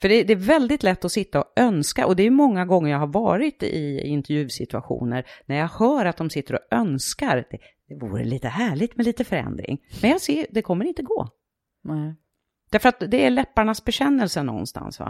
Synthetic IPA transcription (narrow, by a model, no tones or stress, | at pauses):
fœɖɛd̪ɛːɾvɛld̪ɪt̪lɛt̪ːɔsɪt̪ːaɔœnskaʔɔd̪ɛæːjɵmɔŋːaɡɔŋːəɾjaːɡhaɾvɑ̰ːɾɪt̪ɪ̰ɪnt̪ɛɾjʉ̟ːsɪt̪ɵa̰ɧṵːnəɾnæɾjɑɡhœːɾat̪̚d̪ɔmsɪt̪ːəɾɔœnskaɾd̪ɛd̪̥ɛvṵːɾə̰liːt̪əhæːɭɪt̪mɛliːt̪əfœɾɛ̰nd̪ɾɪ̰ŋmɛnjɑːɡseːd̪ɛkʰɔmːəɾɪnt̪əɡo̰ː | d̪̥æɾfəɾat̪̚d̪ɛæɭɛpːaɳasbɛɕɛnːɛlsənɔ̰nst̪ʰa̰nsva̰